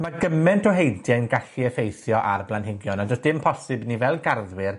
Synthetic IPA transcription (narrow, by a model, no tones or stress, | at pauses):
maɡəmɛntʰɔɦejdjajnɡaɬiəfejθjɔʔarblanɦɪɡjɔnadɔsd̥ɪmpʰɔsɨbnivɛlˠɡarðwɪr